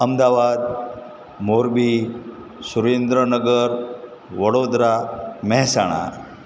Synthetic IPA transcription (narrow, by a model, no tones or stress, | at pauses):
əmd̪aʋad̪ | moɾbi | suɾend̪ɾənəɡəɾ | ʋəɽod̪ɾamɛɦsaɽ̃a̰